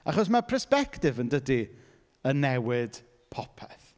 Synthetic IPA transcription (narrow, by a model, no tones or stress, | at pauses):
a̰χɔs̬mapʰəspɛktɪvəndədi | ənɛwɪd̥ | pʰɔpʰɛθ